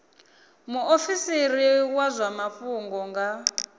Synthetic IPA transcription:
muʔofisiɾiwazʷamaɸuŋɡɔŋɡa

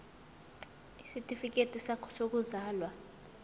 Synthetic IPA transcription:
isitʼifik̬ʼetʼisakʰɔ̥sok̬uzaːlwa

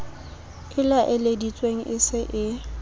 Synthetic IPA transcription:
ɪlaʔɪledit͡sʼweŋ̩ʔɪsɪʔɪ

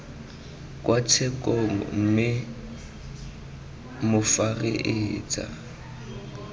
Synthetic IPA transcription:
kʼwat͡sʰɛkʼɔŋ̩m̩mɪ | mʊfaɣɪʔɪt͡sʼa̰

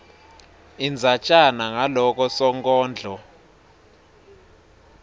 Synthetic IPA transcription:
ind͡zʱat͡ʃʼanaŋalɔk̬ʼɔsɔŋkʼɔːnd͡ɮʱɔ

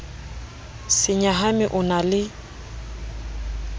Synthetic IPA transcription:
sɪɲaɦamɪʔʊnalɪ

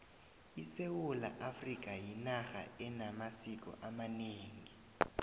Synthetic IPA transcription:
isewula̰ʔafrik̬ʼajinaxa̰ɛnamasik̬ʼɔ̰ʔamaneːŋi

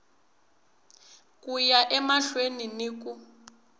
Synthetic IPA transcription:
kujaʔɛmaɬweniniːku

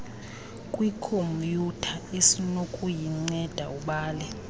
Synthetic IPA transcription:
kʼwikʰompʼjutʰaesinokʼujiŋ͡ǀɛd̥ʱa̰uɓaːlɛ

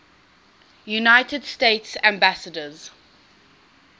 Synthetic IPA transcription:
junaɪtədstetsæ̃mbasədəz

